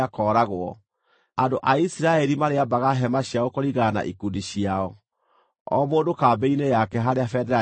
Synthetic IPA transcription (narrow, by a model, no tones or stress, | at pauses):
akɔːɾaɣwɔ | andoʔaisiɾaɛɾimaɾeabaɣaɦɛmaɕjaɣokoɾiɣana̰ʔikundiɕiaɔ | ɔ̰moːndokabeinejakɛɦaɾeafɛdɛɾa